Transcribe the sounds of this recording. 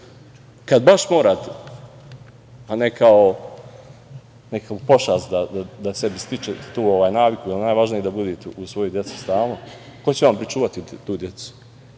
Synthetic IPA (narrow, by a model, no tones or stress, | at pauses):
kad̪baʃmoːɾaːt̪ | anekʰao | nekaupo̞ʃaːsd̪ad̪ad̪asebist̪it͡ʃet̪uːoʋaːjnaːʋikujɛlnaːjʋaʒnijed̪abud̪it̪usʋo̞jud̪je̞t̪su̥st̪aːlˠno | ko̞t͡ɕeʋampɾit͡ʃuːʋat̪it̪uːd̪jet̪su̥